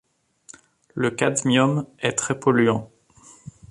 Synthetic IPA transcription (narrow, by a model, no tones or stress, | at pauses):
ləkad̪mjɔmɛt̪χɛpɔlyɑ̃